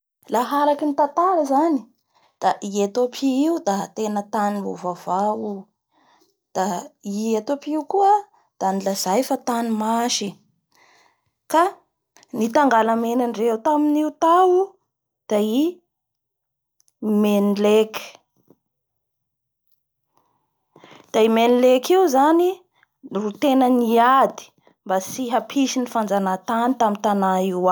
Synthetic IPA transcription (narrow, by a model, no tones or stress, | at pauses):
laɦaɾakinit̪at̪aɾəzani̥ | d̪̥aʔiet̪opʰiiud̪at̪enət̪anivo̰vavau | d̪̥aiet̪opiukuə | d̪̥anilazajfat̪animaʃi | ka | nit̪aŋɡalamenanreut̪aminiut̪au | d̪̥ai | menileki̥ | d̪̥aimenilekiuzani | rut̪enəniad̪i̥ | mbasiɦapʰiʃinifand͡zanat̪anit̪amint̪anaiwa